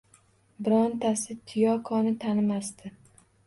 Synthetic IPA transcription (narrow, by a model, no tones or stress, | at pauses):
bɪɾɒnt̪ʰasɪt̪ʰijɒkʰɒnɪt̪ʰanɪmast̪ɪ